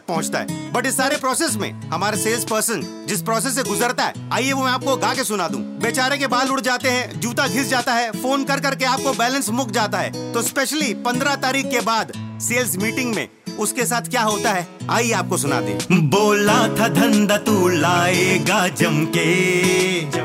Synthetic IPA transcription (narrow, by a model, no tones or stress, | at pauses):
pɐɦʊ̃t͡ʃt̪a̰ɦɛ̰ːbɐʈɪsːaːɾepɾɔːseːs̬mḛ̃hɐmaːɾeseːlspəɾsə̃n | d͡ʒɪspɾɔːses̬ːeɡʊzəɾt̪aɦɛ̰ːaːieʋomɛ̃aːp̚koɡaːkesʊnaːd̪ṵ̃ːbeːt͡ʃaːɾekebaːlʊɽd͡ʒaːt̪eɦɛ̃d͡ʒuːt̪aɡʱɪsd͡ʒaːt̪aɦɛfoːnkɐɾk̬ɐɾkeaːp̚kobɛːlə̃nsmʊkd͡ʒaːt̪aɦɛ̰ːt̪oɪspeːʃlipɐ̃nd̪ɾat̪aːɾiːkkːebaːd̪seːlsmiːʈɪ̃ŋɡmḛ̃ | ʊskesaːt̪ʰkjaːɦoːt̪aɦɛa̰ːieaːp̚kosʊna̰ːd̪ḛ̃boːlat̪ʰad̪ʱɐ̃nd̪at̪uːlaːeːɡaːd͡ʒɐmke